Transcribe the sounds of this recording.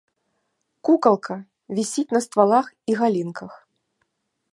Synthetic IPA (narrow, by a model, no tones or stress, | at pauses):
kukɐlˠkʰɐ | vʲisʲit͡sʲnɐst̪valˠaxiɣalʲinkɐx